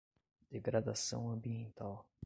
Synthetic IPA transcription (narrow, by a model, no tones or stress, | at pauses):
d̪̥eɡɾad̪asɐ̰̃w̃ɐ̃mbiẽnt̪aw